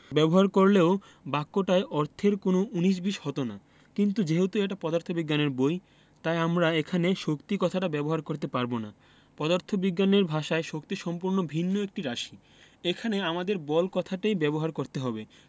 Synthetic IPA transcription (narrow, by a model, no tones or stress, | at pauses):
bɛboɦaɾkoɾleo | bakːoʈaeʔɔɾt̪ʰeɾkonouniʃ̬biʃhɔt̪ona | kint̪ud͡ʑeɦot̪uɛk̚ʈapɔd̪aɾt̪ʰobiɡːaneɾboj | t̪ajamɾaekʰaneʃokt̪ikɔt̪ʰaʈabɛboɦaɾkoɾt̪epaɾbona | pɔd̪aɾt̪ʰobiɡːaneɾbʱaʃaeʃok̚t̪iʃɔmpuɾnobʱinːoek̚ʈiɾaʃi | ekʰaneamad̪eɾbɔlkɔt̪ʰaʈajbɛboɦaɾkoɾt̪eɦɔbe